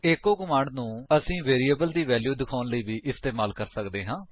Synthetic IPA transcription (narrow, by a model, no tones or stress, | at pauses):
ekːoːkəmãːɳɖnũːəsĩːʋeːɾiːəbəld̪iːʋɛːljuːd̪ɪkʰaːnləiːʋiːʔɪst̪eːmaːlkəɾsəkd̪eːɦãː